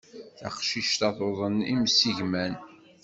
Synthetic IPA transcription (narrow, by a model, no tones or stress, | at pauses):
θæqʃiʃt̪ɑðˤoðˤənimsiʝmæn